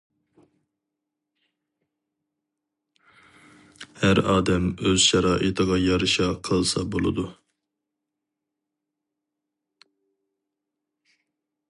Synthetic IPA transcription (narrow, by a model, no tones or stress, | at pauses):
hæɾɑːd̪ɛmøz̥ʃɑɾɑːʔət̪ʰəʁɑjɑɾɨʃɑqʰəlˠsɑbolˠɨ̰d̪u